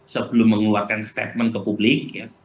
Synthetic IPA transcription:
səbəlʊmːəŋluarkanst̪ḛt̪̚mənkəpublɪk̚ja

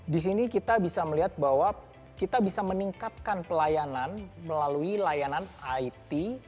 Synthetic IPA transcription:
dis̬inikit̪abisaməliɦat̪̚baɦwa | kit̪abisaməniŋkat̪̚kanpəlajananməlaluilajananait̪i

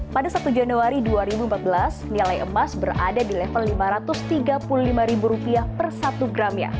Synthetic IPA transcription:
padasat̪ud͡ʒanuaɾiduaɾibumpat̪̚bəlasnilajʔəmasbəra̰dadilɛfənlimaɾat̪ʊst̪iɡapululimaɾibuɾupiahpərsat̪uɡɾamɲa̰

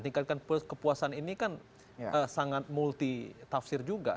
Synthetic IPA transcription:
t̪iŋkat̪̚kanpkəpuasaninikan | əsaŋat̪̚mult̪it̪afsɪrd͡ʒuɡa

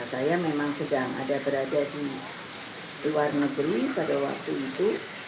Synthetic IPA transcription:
sajamemaŋsədaŋa̰dabəɾadadi | luwarnəɡɾipadawa̰k̚t̪uit̪u

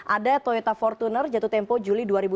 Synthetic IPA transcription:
ʔadat̪ɔet̪afɔrt̪unərd͡ʒat̪ut̪ɛmpɔd͡ʒuliduaɾibu

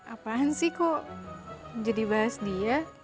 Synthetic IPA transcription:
apaɦansihkoʔ | d͡ʒadibaɦasdia

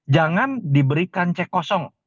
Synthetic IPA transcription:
d͡ʒaŋandibəɾikant͡ʃɛkɔsɔŋ

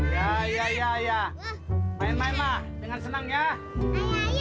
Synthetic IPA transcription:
jajajaja | maɛmaimahdəŋansənaŋɲa

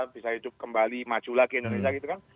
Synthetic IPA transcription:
b̥isahidʊp̚kəmbalimḁd͡ʒ̥ulaɡeindonesiaɡit̪ukan

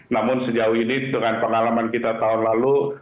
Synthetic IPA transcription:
namʊnsəd͡ʒaʊhinidəŋanpəŋalamankit̪at̪aʊnlalu

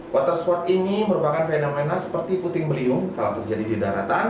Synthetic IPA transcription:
wʔat̪ərspɔrt̪iniməɾupakanfanaŋmenasə̥pərt̪iput̪ɪŋbəliʊŋkalawt̪ərd͡ʒadididaɾa̰t̪an

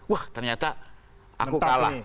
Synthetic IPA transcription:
waht̪ərɲat̪a | ʔa̰kukala

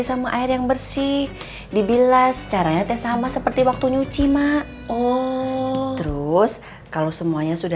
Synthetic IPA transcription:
isamaʔaɪrjaŋbərsɪh | dibilast͡ʃaɾaɲat̪ɛsamasəpərt̪iwak̚t̪uɲut͡ʃimaʔ | ɔ | t̪əɾʊs | kalowsəmuaɲasuda

